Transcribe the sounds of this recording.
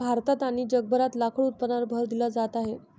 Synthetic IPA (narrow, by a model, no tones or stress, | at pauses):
bʱaɾt̪at̪aɽ̃id͡ʑəɡ̚bʱəɾat̪lakʰəɭut̪̚pənaɾbʱəɾd̪ilad͡zat̪aɦe